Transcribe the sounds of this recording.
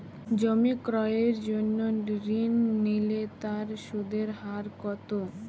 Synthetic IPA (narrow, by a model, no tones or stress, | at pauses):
d͡ʑomikɾɔeeɾd͡ʑonːoɾinːilet̪aɾʃud̪eɾɦaɾkɔt̪o